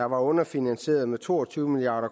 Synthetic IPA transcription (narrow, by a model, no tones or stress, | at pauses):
ɑ̈ʋɑ̈ɔ̽nɐfinænse̝̰ːɐðˠmet͡sʰo̝̰ːɒt͡sʰyːʊəmiliɑ̈ːɾ̥ɐk